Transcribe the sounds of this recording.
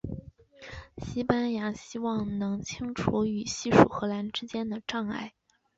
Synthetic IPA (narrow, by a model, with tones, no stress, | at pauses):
ɕi˥pa˥nja˧˥ɕi˥wɑ˥˩ŋnɤ˧˥ŋt͡ɕʰi˥ŋʈ͡ʂʰu˧˥y˨˩ɕi˥˩ʂṵ˨˩xɤ˧˥la˧˥nʈ͡ʂɻ̩˥t͡ɕjɛ˥nd̪ə˨ʈ͡ʂɑ˥˧ŋa̰˥˩ɪ